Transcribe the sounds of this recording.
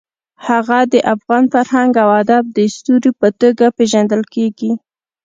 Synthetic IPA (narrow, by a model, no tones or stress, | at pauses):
haɣad̪əʔafɣɑnfaɾɦaŋɡawad̪ab̚d̪əst̪uɾipət̪əɡapeʒand̪əlkeɡi